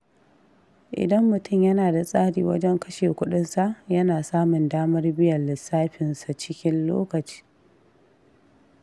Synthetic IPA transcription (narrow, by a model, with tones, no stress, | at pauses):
ʔɪ̰˨dɐ˦mːʊ˨tʊ˦˨mjɐ˦naː˨da˨sʼaː˦ɽḭː˨wɐ̰˦d͡ʒɛ˦ŋkɐ˦ʃeː˨kʷʊ˦ɗɪ˦nsa˨ʔjɐ˦naː˨saː˦mʊ˨ndaː˦mɐ˦rbɪ˦jɐ˨lɪ˨sːaː˦ɸɪ˨nsa˨t͡ʃɪ˦kʲɪ˦nlo̰ː˦kɐ˨t͡ʃi̥ː˦